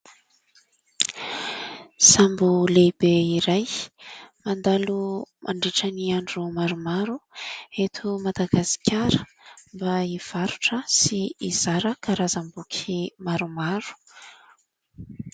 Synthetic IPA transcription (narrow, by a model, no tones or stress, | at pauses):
sambulebeiɾaj | mand̪alumʔa̰ɳɖ͡ʐeʈ͡ʂəniaɳɖ͡ʐumaɾumaɾuet̪ʰumad̪aɡasi̥kʰʲaɾəmbaiv̥aɾuʈ͡ʂəsiiz̥aɾəkaɾazambukʲʰimaɾumaɾu̥